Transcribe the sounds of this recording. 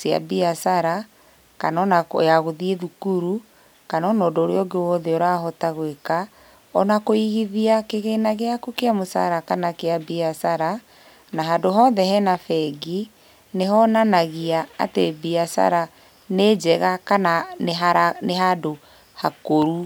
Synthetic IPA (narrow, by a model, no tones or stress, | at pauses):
sia̰biasaɾa | kanɔnakjaɣoðieðukuɾu | kanɔnɔdoːɾḛɔɡewɔðɛoɾaɦɔtaɣweka | ɔnakoiɣiðiakeɣenaɣeakukeamosa̰ɾakanakeabiasaɾa | naɦadoɦɔːðɛhɛnafɛɡi | neɦɔnanaɣia̰ːtebiasa̰ɾa | ned͡ʒɛɣakananeɦaɾaneɦado | hakoɾu